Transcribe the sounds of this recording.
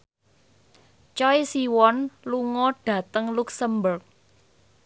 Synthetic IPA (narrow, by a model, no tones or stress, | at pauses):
t͡ʃɔjsiwɔnluŋɔɖ̥ä̤t̪əŋluksəmbʊrk̚